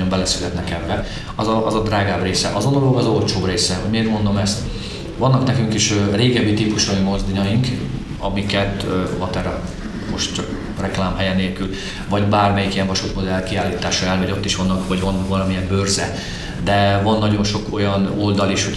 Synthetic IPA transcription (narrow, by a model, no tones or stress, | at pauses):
ombɛlɛsylɛt̪nɛkɛbːɛ | ɒzɒʔzɒd̪raːɡaːbreːsɛ̰ʔɒzonoloɡɒzo̞lt͡ʃoːbreːsɛɦo̞ɟmeːrmo̞nd̪o̞mɛst̪ | ʋɒnːɒknɛkyŋkiʃøreːɡɛbːit̪iːpuʃoimo̞zd̪iɲɒjiŋk | ɒmikɛt̪vɒt̪ɛɾɒ | mo̞ʃt̪t͡ʃɒk | rɛklaːmɦɛjɛneːlkyl | vɒɟbaːrmɛjikijɛɱvɒʃut̪mo̞d̪ɛlkiaːliːt̪aːʃɒɛlvɛɟo̞t̪ːiʃʋɒnːɒkʋɒɟvɒnvɒlɒmijɛmbørzɛ | d̪ɛvɒnːɒɟo̞nʃo̞ko̞jɒno̞ld̪ɒliʃho